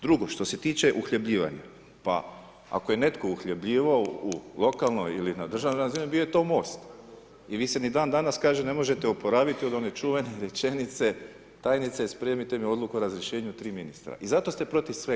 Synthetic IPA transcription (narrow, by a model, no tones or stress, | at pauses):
d̪ɾuɡo̞ʃt̪o̞se̞t̪iːt͡ʃe̞ʔuxʎebʎiːʋa̰ɲa̰ | pa̰ | a̰ko̞je̞ne̞t̪ko̞uxʎʲebʎiːʋaoulˠo̞kalˠno̞jilinad̪r̩ʒaʋnoɾazinibijojet̪o̞ːmo̞ːst̪ | iʋiːse̞nid̪aːnd̪anaskaːʒene̞mo̞ʒe̞t̪eopo̞ɾaːʋit̪io̞d̪o̞net͡ʃuʋe̞neɾe̞t͡ʃe̞nit̪se̞ | t̪aːjnit̪sespɾeːmit̪e̞mio̞d̪lˠukuoɾazɾjeʃe̞ːɲut̪ɾiːminist̪ɾa̰ʔizat̪o̞st̪e̞pɾo̞t̪iʋsʋe